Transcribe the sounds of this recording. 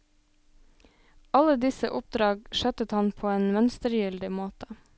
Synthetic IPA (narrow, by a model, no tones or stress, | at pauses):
ɑləd̪ɪsə̰ʔʊp̚d̪ɾɑːɡʃœt̪ət̪hɑnpʰoːeːnmœnst̪əɾjʏld̪ɪmoːt̪ə